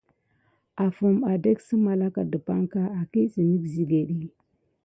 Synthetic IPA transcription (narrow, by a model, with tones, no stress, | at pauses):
a˨fu˨ma˨de˦ksə˦ma˨la˦ka˨də˨pa˦ŋka˦a˨ki˦si˨ni˦kzi˨ɡe˨ɗi˦